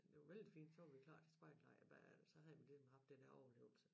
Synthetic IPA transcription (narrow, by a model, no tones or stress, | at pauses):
d̥eʋɑʋel̰d̥ifḭːnd̥sɒʋɑʋikʰl̥ɑ̰̈ːd̥sb̥ɑ̈ɪd̥lɑɪ̰b̥æsɒ̽hɑimnlisɒm̩hɑ̈fd̥enheɐɒʊɐle̝ːʊl̩sə